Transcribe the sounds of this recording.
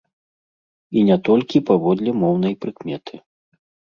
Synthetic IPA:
inʲat̪ɔlʲkʲipavɔd̪lʲɛmɔwnɐjpɾɨkmʲɛt̪ʰɨ

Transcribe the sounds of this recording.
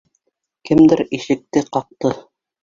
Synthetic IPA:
kɘmd̪ɘɾiʃɘ̆k̚t̪ɘqɑq̚t̪ɤ

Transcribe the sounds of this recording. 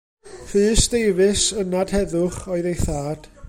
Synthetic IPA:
fɨːsd̥ejvɨsənad̥hɛðʊχɔɨðejθaːd̥

